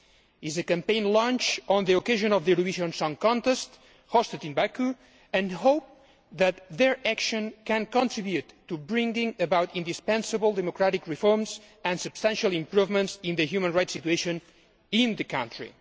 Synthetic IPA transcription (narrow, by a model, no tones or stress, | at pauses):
izəkãmpẽj̃nlɔ̃nt͡ʃɔ̃nd̪ðiokeʒõnɔvðiɾuiʃõnsɔ̃ŋkɔ̃nt̪ɛst̪ | hɔst̪ət̪ĩnbaku | ɨ̃nhowp̚ | ðæt̪ðɛɹækʃə̃nkɨ̃nkɔ̃ntɹibjut̪ːubɹĩŋɡĩŋəbawt̪ĩnd̪ispɛ̃nsəbəlˠd̪ɛmokɾaɾikɹifɔɹmz | ə̃nsɨbst̪ãnʃalˠĩmpɾuvmə̃ntsĩnd̪əhjumə̃nɹajtsit̪ueʃõn | ĩnðəkãnt̪ɹḭ